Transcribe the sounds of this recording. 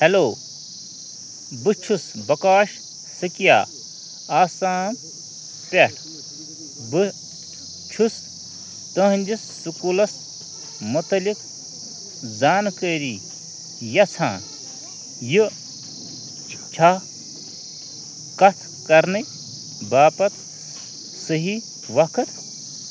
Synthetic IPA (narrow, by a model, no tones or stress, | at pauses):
heloː | bɨt͡ʃʰusbɐkaːʃ | sɨkija̰ː | aːsaːn | pʲeʈʰ | bɨ | t͡ʃʰus | t̪ɐɦnʲd͡ʒisːukulɐs | mɐt̪ɐlik | zaːnkəɾi | jɐt͡sʰã̰ː | ji | t͡ʃʰa | kɐt̪ʰ | kɐɾnɨ | baːpɐt̪ | səɦi | ʋɐkʰɨt̪